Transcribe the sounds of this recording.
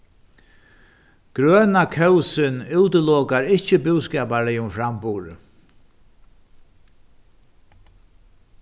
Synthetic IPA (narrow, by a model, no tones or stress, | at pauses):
ɡ̥ɾœːnakʰœwsɪnuwt̪əlɔːkaɾɪht͡ʃəbʊwskɛːpaɹɪʊmfɾampʊːɾə̰